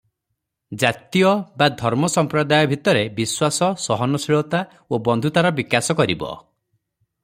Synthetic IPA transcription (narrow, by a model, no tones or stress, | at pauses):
d͡ʒat̪ijɔbad̪ʱɔɾmɔsɔmpɾɔd̪ajɔbʱit̪ɔɾebiswasɔsɔɦɔnɔsiɭɔt̪a | obɔnd̪ʱut̪aɾɔbikasɔkɔɾḭbɔ̰